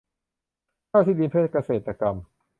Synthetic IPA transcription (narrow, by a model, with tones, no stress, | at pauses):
kaː˥˩t̪ʰiː˥˩diː˧npʰeː˥˩t̪̚ka˧seː˨˩t̪ːa˧ka˧m